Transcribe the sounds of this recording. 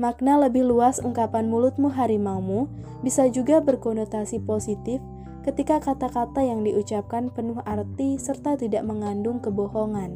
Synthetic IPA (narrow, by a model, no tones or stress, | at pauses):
mak̚naləbɪhluasuŋkapanmulʊt̪̚muɦaɾimamu | bisad͡ʒuɡabərkɔnot̪asiposit̪ɪf | kət̪ikakat̪akat̪ajaŋdiʔut͡ʃap̚kanpənʊhart̪isərt̪at̪idaʔməŋandʊŋkəbohoŋan